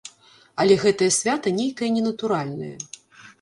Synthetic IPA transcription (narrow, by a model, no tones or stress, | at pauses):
ɐlʲɛɣɛt̪ɐjɐsʲvʲat̪ɐnʲejkɐjɐnʲɛnɐt̪uɾalʲnɐ̰jɐ̰